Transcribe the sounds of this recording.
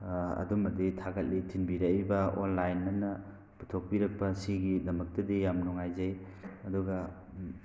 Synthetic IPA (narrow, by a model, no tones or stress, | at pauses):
ɐ̰dumɐditʰaɡɐt̚litʰinbiɾɐibɐonlajnːɐnɐ | pu̥tʰok̚piɾɐk̚pɐsiɡidɐmɐk̚tɐdijamnɔŋajzaj | ɐduɡɐ